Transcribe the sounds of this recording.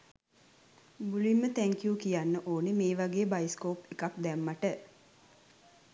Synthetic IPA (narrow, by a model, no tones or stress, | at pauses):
ɡulimːət̪æŋkijukijanːəʔoːnemeːʋaɡeːbajiskoːpekap̚d̪ɛmːaʈə